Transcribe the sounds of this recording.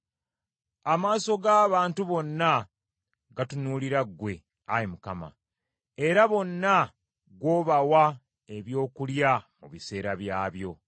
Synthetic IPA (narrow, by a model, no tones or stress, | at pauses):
amaːso̞ɡaːβaːntuβo̞nːa | ɡatunuːliɾaɡwe̞ | ajemukama̰ | e̞ɾaβo̞nːa | ɡwo̞ːβawa | e̞βjo̞ːkuljamuβise̞ːɾaβjaːβjo̞